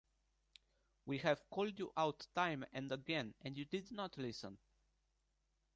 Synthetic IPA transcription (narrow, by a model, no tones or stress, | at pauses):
wihɛv̥kʰɔldjuʔawtːãj̃mɛ̃ndəɡɛ̃nɛ̃ndjudɪdnɔt̪ʰlɪsə̃n